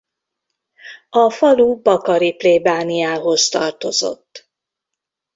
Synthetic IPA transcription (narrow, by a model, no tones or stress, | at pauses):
ɒfɒluːbɒkɒɾipleːbaːnijaːɦo̞st̪ɒrt̪o̞zo̞̰t̪ː